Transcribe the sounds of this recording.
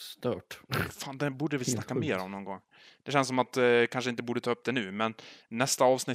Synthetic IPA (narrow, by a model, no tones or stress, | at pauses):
st̪œːʈfaːnd̪ɛbuːɖəvɪlsakːameːɾɔmnɔnɡɔŋː | d̪̥ɛɕɛnsɔmat̪kʰanʂ̬əɪnt̪əbuːɖət̪ʰɑːɵp̚ːd̪ɛnʉ̟ːmɛnːɛst̪aɑːvsnɪ